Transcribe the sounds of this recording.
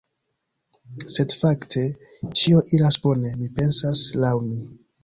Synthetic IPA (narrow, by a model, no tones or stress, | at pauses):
se̞dfaktʰe̞ | t͡ʃio̞ʔiɾasbo̞ne̞mipe̞nsaslawmi